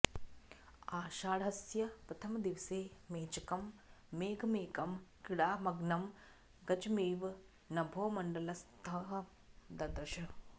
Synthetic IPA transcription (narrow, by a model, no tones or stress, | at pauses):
aːʃaːɽɦɐsjɐpɾɐt̪ʰɐmɐd̪iʋseːmeːt͡ʃɐkɐmːeːɡʱɐmeːkɐmkiɽaːmɐɡnɐm | ɡɐt͡ʃɐmiːʋ | nɐbʱoːmɐɳɖɐlɐst̪ʰɐɦɐ | d̪ɐd̪ɐʃɐ